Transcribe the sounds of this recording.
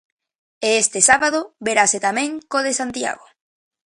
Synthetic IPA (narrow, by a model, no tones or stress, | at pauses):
eest̪esaβaðoβeɾaset̪amẽŋkoðesant̪ja̰ɣo